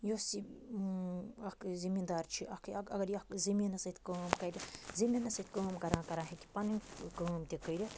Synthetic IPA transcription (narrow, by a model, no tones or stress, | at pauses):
josi | ɐkzimid̪aːɾt͡ʃʰiʔɐkɐɡɐɾjɐkziminɐsɐt̪ʰkəːmkɐɾʲizimʲɐnɐsɐt̪ʰʲkəːmkɐɾãːkɐɾaːɦẽk̪i̥pɐninkəːmt̪ʲikəɾʲɐt̪ʰ